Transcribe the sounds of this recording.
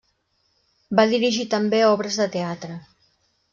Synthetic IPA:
baðiɾiʒit̪əmbeɔβɾəzðət̪eat̪ɾə

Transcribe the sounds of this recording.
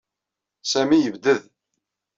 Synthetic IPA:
sæmijəvd̪əð

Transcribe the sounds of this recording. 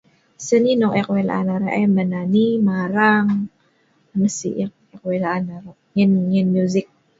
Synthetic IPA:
səninɔŋɛkwela̰ʔanaɾaʔɛmananimaɾaŋ | nəsḭʔɛk̚ | ɛkwelaanaɾa | ŋɛnŋɛnmjuzɪk̚

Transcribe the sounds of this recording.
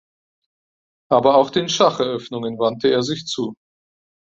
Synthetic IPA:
ʔaːbɐaʊxd̥eːnʃaχɛɐʔœfnʊŋənvantəeːɐzɪçt͡suː

